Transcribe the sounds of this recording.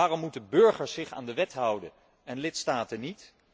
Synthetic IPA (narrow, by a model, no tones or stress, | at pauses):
aːrɔmːutənbɵɹχəɹsɪχa̰ːndəʋɛtɦʌwdən | ɛnlɪtstaːtənit